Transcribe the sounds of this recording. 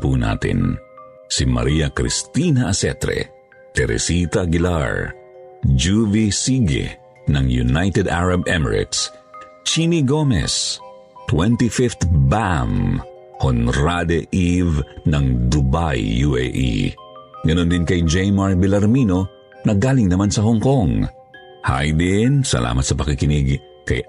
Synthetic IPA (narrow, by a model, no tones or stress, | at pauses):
puna̰ːt̪ɪ̰n | simɐ̰ɾiːɐkɾḭst̪inɐʔɐsɛt̪ɾɛ̰ | t̪ɛɾɛ̰sit̪ɐɡɪla̰ɹ | d͡ʒuvisiɡɛ̰ | nɐŋjunajt̪ɛd̪aɹɐbɛmɛɹɪ̰t̪s | t͡ʃiniɡomɛ̰s | t̪wɛnt̪ifift̪bam | honɾad̪ɛʔivnɐŋd̪ubajːuɛ̰ʔḭ | ɡɐnond̪ɪnkɐjd͡ʒɛjmaɹbɪlɐɾmino | nɐɡaːlɪŋnɐmansɐɦoŋkoŋ | ha̰jd̪ɪnsɐ̰lʔa̰ːmɐt̪sɐpɐkikɪnɪɡ | kɐ̰j